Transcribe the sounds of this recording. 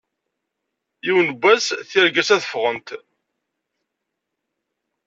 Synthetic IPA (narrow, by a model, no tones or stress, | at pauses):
jiwnbʷːæsθiɾɡæsæθəfʁənt̪